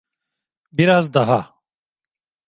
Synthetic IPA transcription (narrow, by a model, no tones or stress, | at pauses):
biɾaːzd̪ɐɦa